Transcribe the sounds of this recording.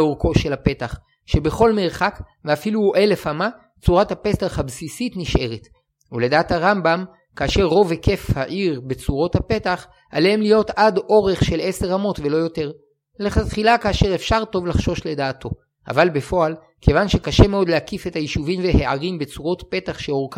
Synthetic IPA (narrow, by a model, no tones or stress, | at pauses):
oʁko̞ʃe̞lape̞taχ | ʃe̞be̞χo̞lme̞ʁχakveafiluʔe̞le̞fama | t͡suʁathape̞staχhabsisitniʃʔe̞ʁet | ule̞daːthaʁambam | kaːʃe̞ʁːo̞veke̞fhaʔiʁbe̞t͡suʁo̞thape̞taχ | ʔa̰lehemlijo̞tado̞ʁe̞χʃe̞le̞se̞ʁamo̞tve̞lo̞jo̞te̞ʁ | leχatχilakaːʃe̞ʁefʃaʁto̞vlaχʃo̞ʃle̞daːtʰo̞ | ʔa̰valbe̞fo̞al | kʰe̞vanʃe̞kaʃe̞meo̞dleakife̞thajiʃuvimveheʔaʁimbet͡suʁo̞tpe̞taχʃeoʁka